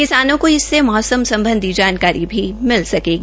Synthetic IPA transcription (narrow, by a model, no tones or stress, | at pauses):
kɪsaːnõkoɪsːemɔːsəmsɐ̃mbə̃nd̪ʱid͡ʒaːnkaːɾibʱimɪlsɐkeːɡ